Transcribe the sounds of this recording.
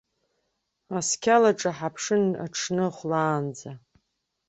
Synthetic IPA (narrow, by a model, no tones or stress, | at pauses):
askʲʰalaʈ͡ʂʼaħapʰʂɨna̰ʈ͡ʂʰnɨχʷlaːnd͡za